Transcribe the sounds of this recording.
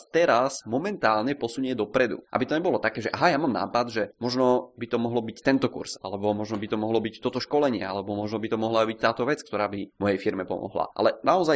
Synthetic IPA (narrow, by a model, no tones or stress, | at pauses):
t̪ɛɾasmɔmɛnt̪aːlɲɛpɔsuɲɛd̪ɔpɾɛd̪ṵʔa̰bit̪ɔɲɛbɔlɔt̪akɛːʒɛʔaɦajamamna̰ːpad̪ʒɛmɔʒnɔbit̪ɔmɔɦlɔbict̪ɛnt̪ɔkṵɾsa̰lɛbɔmɔʒnɔbit̪ɔmɔɦlɔbict̪ɔt̪ɔʃkɔlɛɲɪɛ̰alɛbɔmɔʒnɔbit̪ɔmɔɦlabict̪aːt̪ɔʋɛt͡skt̪ɔɾaːbimɔjɛjfiɾmɛpɔ̰mɔ̰ɦla̰a̰lɛnaɔzaj